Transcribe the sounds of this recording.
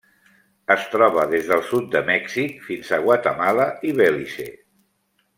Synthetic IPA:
əst̪ɾɔβ̞əðezðəlˠsut̪̚d̪əmɛksikfinzaɣwat̪əmalaiβɛliʃḛ

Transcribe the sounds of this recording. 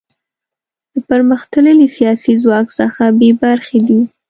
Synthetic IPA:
d̪̥əpəɾməxt̪ələlisijɑsizwɑksəxabebaɾxed̪i

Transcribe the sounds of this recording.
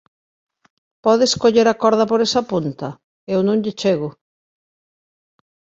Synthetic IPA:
pɔðeskoʎeɾɐkɔɾðɐpoɾesɐpunt̪ɐ | ewnõŋʎɪt͡ʃeɣʊ

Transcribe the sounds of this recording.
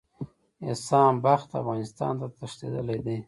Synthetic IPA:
ɪsɑmbaxt̪a̰fɣɑnɪst̪ɑ̰nt̪at̪əʂt̪ḛd̪əled̪e

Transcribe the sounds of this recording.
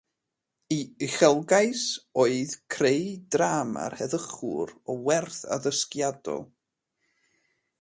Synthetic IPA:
iɨχɛlˠɡaɨsoːɨðkʰrejdraːma̰rhɛðəχʊ̰ɾɔwɛrθa̰ðəskjadɔ̰lˠ

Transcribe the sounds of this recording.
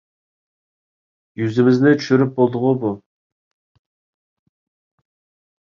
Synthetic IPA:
jyzɪmɪznɪt̪ʰy̥ʃyɾɪp̚bolˠd̪ʊʁʊbu

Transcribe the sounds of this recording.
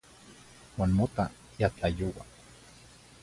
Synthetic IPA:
waːnmot̪a | jat͡ɬajowa̰

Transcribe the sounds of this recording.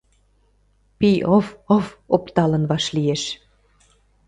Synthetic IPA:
piʔofofopt̪ɑlə̆nβɑʃlieʃ

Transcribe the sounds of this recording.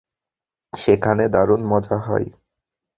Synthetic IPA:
ʃekʰaned̪aɾonmɔd͡ʑaɦɔ̰e

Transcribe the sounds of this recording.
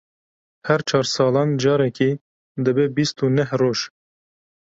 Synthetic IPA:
hæɾt͡ʃʰɑːɾsɑːlɑːnd͡ʒɑːɾɛkiː | d̪ɨbebist̪uːnɛhroːʒ

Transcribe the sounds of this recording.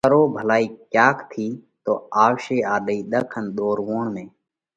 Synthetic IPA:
əɾoːbʱəlaːiːkjaːkt̪ʰiːt̪o̰ːaːʋʃeːaːɗəiːɗ̪əkʰənɗ̪oːɾʋoːɳmẽː

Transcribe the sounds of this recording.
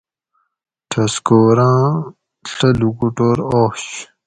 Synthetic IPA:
tʰɐskoːɾãː | ɬɐlukuʈoːɾoːɕ

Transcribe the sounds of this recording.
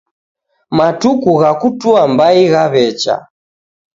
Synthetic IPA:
matukuɣakutuambaiɣaβɛt͡ʃa̰

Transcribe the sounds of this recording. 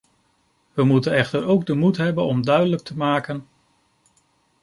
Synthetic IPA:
ʋəmutənɛχtəɾowɡ̚dəmutɦɛbənɔmdœɥdələk̚tʰəmaːkən

